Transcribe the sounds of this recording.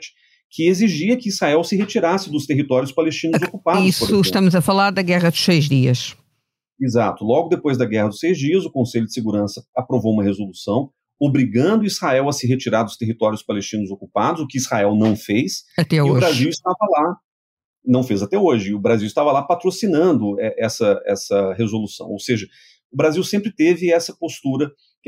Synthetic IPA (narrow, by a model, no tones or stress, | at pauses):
t͡ʃɪ̥ | kɪeziʒiɐkɪizhaɛwsɪɦet͡ʃiɾasɪd̪ʊst̪eɦit̪ɔɾjʊspalest͡ʃĩnʊʊzokupadʊisoʊɪʃt̪ɐ̃mʊzɐfalaɾd̪ɐɡɛʁɐd̪ʊsejzd͡ʒiɐs | izat̪ʊlɔɡʊd̪epojzd̪ɐɡɛhɐd̪ʊsejzd͡ʒiɐzʊkõseʎʊdd͡ʒɪseɡuɾɐ̃sɐapɾovowũmɐhezolusɐ̃w̃ | obɾiɡɐ̃nd̪ʊiz̥haɛwɐsɪɦet͡ʃiɾaɾd̪ʊst̪eɦit̪ɔɾjʊspalest͡ʃĩnʊzokupad̪ʊzʊkɪiz̥haɛwnɐ̃w̃fejsat̪ɛʊobʒɾaziwɪst̪avɐla | nɐ̃w̃fejzat̪ɛoʒɪʊbɾaziwɪst̪avɐlapat̪ɾosinɐ̃nd̪ʊɛʔɛsɐɛsɐɦezolusɐ̰̃w̃owseʒɐ | ʊbɾaziwsẽmpɾɪt̪evɪɛsɐpost̪uɾɐ | k